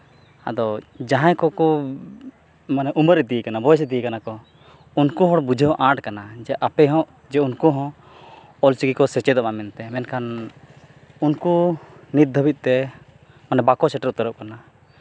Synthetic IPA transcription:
a̰d̪ɔd͡ʒaɦãjkɔkɔ | manɛʔuməɾɛd̪ikanabɔjsɛd̪ikanakɔ | unkuɦɔɽbud͡ʒʱəɦɔ̃ʔãʈkanad͡ʒɛʔapɛɦɔ̃ʔ | d͡ʒɛunkɔɦɔ̃ | ɔlt͡ʃiɡikɔsɛt͡ʃɛd̪ɔɓamɛnt̪ɛmɛnkʰan | unkunit̪̚d̪ʱəbit̪̚t̪ɛ | manɛbakɔsɛʈəɾut̪əɾəp̚kana

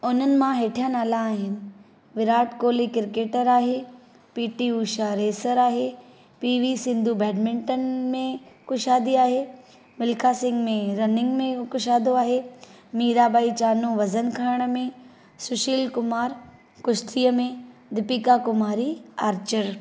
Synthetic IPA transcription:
ʊn̤ənɪ̆mãɦeːʈʰijənaːlaːɦɪnɪ̆ | ʋɪɾaːʈkoːlekɪɾkeːʈəɾaːɦe | piːʈiuːʃaɾeːsəɾaːɦe | piːʋisɪ̃nd̪ʱubɛːɖmɪ̃ɳʈənmẽkʊʃaːd̪iaːɦeː | mɪlkʰasɪ̃ŋɡmẽɾɐnɪ̃ŋɡmẽkʊʃaːd̪oaːɦeː | miːɾaːbaːit͡ɕaːnũʋɐzənkʰaːɾɽ̃ə̆mẽ | sʊʃiːlkʊmaːɾ | kʊʃt̪iːəmẽd̪ɪpikakʊmaːɾiaːɾt͡ɕəɾ

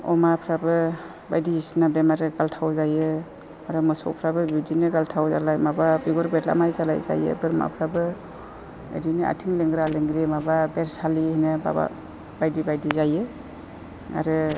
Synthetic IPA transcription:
ɔ̰mapʰɾabɯ | bajdiisnabemaɾɯɡaltʰawzajɯ | aɾɯmɔsɔ̰pʰɾabɯbidinɯɡaltʰawza̰lajmababiɡɔɾbetla̰majzala̰jza̰jɯ̰bɯɾma̰pʰɾabɯ | ḛdinia̰tʰiŋleŋɡɾaleŋɡɾimababeɾsalihinɯba̰ba̰ | bajdibajdizajɯ | a̰ɾɯ

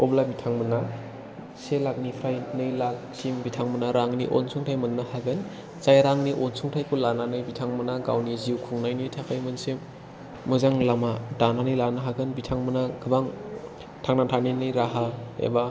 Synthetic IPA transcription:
ɔblabitʰaŋmɯna | selak̚nipʰɾajnɯjlak̚ | simbitʰaŋmɯnaɾaŋnḭʔo̰nsʰuŋtʰajmɯnːahaɡɯn | zajɾaŋniʔonsuŋtʰajkʰulananɯjbitʰaŋmɯnaɡa̰wniziwkʰuŋnajnitʰakʰajmɯnsemː | ɯzaŋlamadananɯjlanaɦaɡɯnbitʰaŋmɯnaɡɯbaŋ | tʰaŋnatʰaninɯjɾaɦaḛba

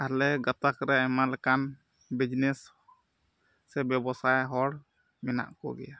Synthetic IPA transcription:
alɛɡat̪akɾɛɛmalɛkan | bid͡ʒnɛs | ɛbjɛbɔsajɦɔɽ | mɛna̰ʔkɔ̰ɡɛ̰ja

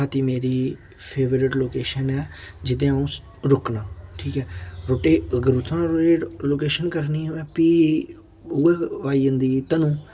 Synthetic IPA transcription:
aːt̪iːmeːɾiː | pʰeːʋəɾɪʈloːkeːʃənɛːd͡ʒɪd̪ẽːũː | ɾʊknaːʈʰiːkɛːɾoːʈeːɡəɾut̪ʰːãːɾeːloːkeːʃənkəɾniːɛ̃ːpiː | ʊɛːʋaːiːə̃nd̪iːt̪əñː

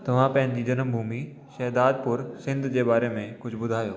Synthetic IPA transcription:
t̪ɐʋ̤ãpɐ̃ɦɪ̃n̆d͡ʑiːd͡ʑɐnəmbʱuːmi | ʃɛːɦd̪aːd̪̚pʊɾsɪ̃nd̪ʱd͡ʑeːbaːɾemẽkʊd͡ʑʱbʊd̪ʱaːjoː

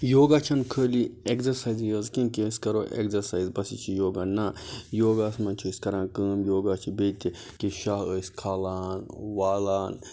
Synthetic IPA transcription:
joːɡat͡ʃʰɐnkʰəːliekzɐɾsaːjzjɐzkĩnkisʲkɐɾoːʔḛkzɐɾsaːizbɐsit͡ʃʰijoːɡanajoːɡaːsmɐnt͡ʃʰiəːsʲkɐɾãːkəːmjoːɡaːt͡ʃʰibeːt̪ʲi | kiʃaɦəːsʲkʰaːlaːnʋaːlaːn

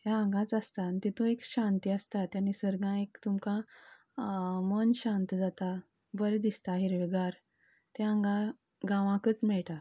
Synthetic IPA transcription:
ɦjaə̃ŋɡãt͡sast̪ant̪it̪ũekɕãnt̪iːəst̪at̪janisəɾɡãekt̪umkã | mənɕãnt̪d͡zat̪a | bəɾed̪ist̪aɦiɾʋeɡaɾ | t̪eãŋɡã | ɡãʋãkət͡smɛɭʈa

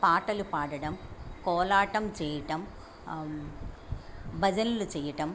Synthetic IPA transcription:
paːʈːɐlupaːɽɐɽɐmkoːlaːʈːɐmt͡ʃeːjɐʈɐm | bɐd͡ʒɐnilut͡ʃeːjɐʈɐm

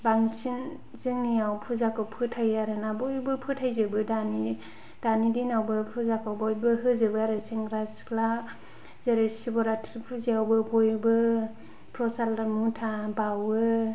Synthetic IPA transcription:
baŋsin | zɯŋniawpʰuzakawpʰɯtʰajaɾɯnabɔjbɯpʰɯtʰajzɯbɯdani | d̥anidinawbɯpʰuzakawbɔjbɯɦɯzɯbɯaɾɯseŋɾaskla | zeɾesibɔɾatʰpʰuziawbɯbɔjbɯ | pʰɾɔsalamutʰabawɯ

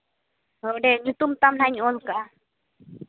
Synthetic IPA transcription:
əɖeɲũt̪umt̪amnaɲolka

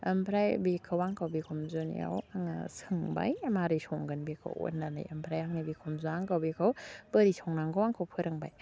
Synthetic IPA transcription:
ɐmpʰɾajbekʰawaŋkʰawbikʰɔmzonḭa̰waŋa̰sɯŋba̰jɐmaɾisoŋɡɯnbekʰa̰wo̰nːana̰jɐmpʰɾajaŋnibikʰɔmzuaŋkawbekʰawb̥əɾisʰɔŋnaŋɡɔwaŋkʰowpʰɯɾɯŋbaj

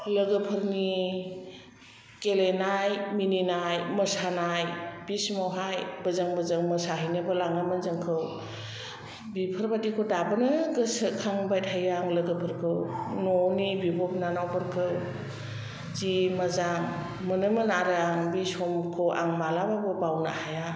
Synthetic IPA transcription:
ləɡəpʰɯɾni | kelenajmininajməsanajbismawɦajbəzəŋbəzəŋməsaɦəjnɯbɯlaŋamənzəŋkʰɯw | bipʰəɾbatikʰodabɯnɯɡəsəkʰaŋbajthajaŋləɡəpʰɯɾkʰɯwnɔnibibɔp̚nanawbəɾkʰɯw | zimazaŋ | mənɯmɯnaɾaŋbisɔmkʰowʔa̰ŋmalababɯbawna̰haja

